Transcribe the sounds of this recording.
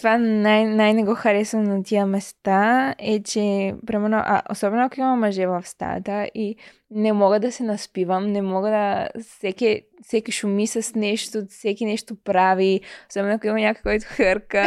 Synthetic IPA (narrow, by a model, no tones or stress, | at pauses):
t̪ovanajnajnɛɡoxɐɾɛsnonat̪iəmɛst̪aɛt͡ʃɛpɾɛmɛɾno̰ʔa̰ʔo̰sɔbɛnoakoimɐmɐʒɛvɐfst̪a̰t̪əʔi | nɛmɔɡəd̪ɐsɛnɐspivɐmnɛmɔɡəd̪ɐsɛkɛ | fsɛkiʃumisəsnɛʃt̪osɛkinɛʃt̪opɾaviosɔbɛnoakoimɐɲʲakojkɔjt̪ʊ̥xəɾkə